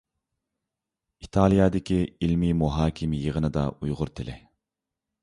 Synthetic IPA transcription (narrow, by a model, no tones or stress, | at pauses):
it̪ʰɑlˠijɑːd̪ɪkʲʰiilmimuɦɑːkʲʰimjəʁənɨd̪ɑ̰ujʁʊɾt̪ʰɪlɪ